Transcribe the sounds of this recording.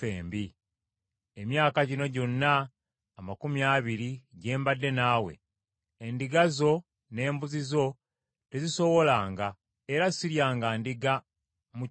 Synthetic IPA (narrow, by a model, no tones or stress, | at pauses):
eːmbi | emjaːkaɟino̞ɟo̞nːaː | makumjaːβiɾiɟe̞ːmbadːe̞naːwe̞̰ː | ndiɡazo̞ | ne̞ːmbuzizo̞ | te̞ziso̞wo̞laːŋɡa | eɾasiɾjaːŋɡaːndiɡa | mu